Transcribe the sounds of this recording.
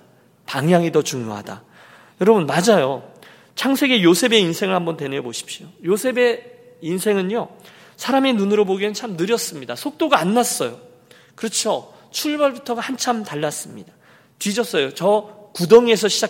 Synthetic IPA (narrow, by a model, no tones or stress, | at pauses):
paŋjaŋidʌt͡ɕuŋjoɦa̰da̰ | jʌɾʌbunmad͡ʑajo | t͡ɕʰaŋsʰe̞ɡe̞josʰe̞be̞insʰe̞ŋɯɭhambʌntwe̞neboɕʰi̥p̚ɕ͈iojosʰe̞be̞ | insʰe̞ŋɯnjo | sʰaɾame̞nunɯɾoboɡenɯt͡ɕʰamnɯɾjʌs͈ɯmɲidasʰok̚t͈oɡaːnːas͈ʌjo | kɯɾʌt͡ɕʰo | t͡ɕʰuɭbʌɭbutʰʌɡahant͡ɕʰamtaɭːas͈ɯmɲida | tɥid͡ʑʌs͈ʌjot͡ɕʌkudʌŋie̞s̬ʰʌɕʰid͡ʑa